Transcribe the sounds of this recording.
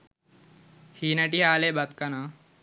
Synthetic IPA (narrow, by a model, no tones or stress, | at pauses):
hiːnaʈiɦaːlebat̪kana